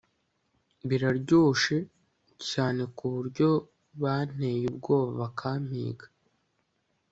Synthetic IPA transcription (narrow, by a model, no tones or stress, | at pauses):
βiɾaɾɟuːʃe̞ | caːne̞kuβuɾɟo̞ | βan̥e̞jub̚ɡo̞ːβaβakʰaːm̥hḭːɡḁ